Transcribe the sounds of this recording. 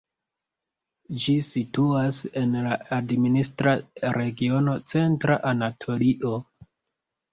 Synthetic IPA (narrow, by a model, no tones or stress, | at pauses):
d͡ʒisituase̞nlaadministɾaɾe̞ɡio̞no̞t͡se̞ntɾaʔanatʰo̞liʔo